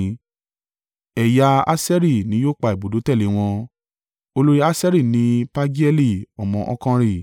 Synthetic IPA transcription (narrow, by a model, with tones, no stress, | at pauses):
ɛ˨ja˧a˦sɛ˦ɾi˦˨nĩ˨˦joː˦˨k͡pa˨i˨bo˨do˨˦tɛ˦˨le˨˦w̃ɔ̃˧ | o˧lo˦ɾi˦a˦sɛ˦ɾi˦˨nĩ˨˧˦pa˦d͡ʒi˦ɛ˦li˦˨ɔ˨mɔ̃˨ʔɔ̰˧kã˦˧ɾi˦˨